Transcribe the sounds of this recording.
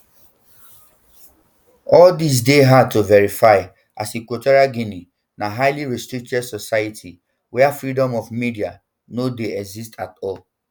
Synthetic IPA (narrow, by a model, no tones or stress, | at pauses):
ɔldis̬deɦad̚tuvɛɹifaɪ | ʔasikwotɔɹiaɡini | naɦaɪliɹɛstɹik̚t͡ʃɛdsɔsajatʰi | wɛafɹidɔ̃mɔfmidia | nodeɛɡzistʰatɔl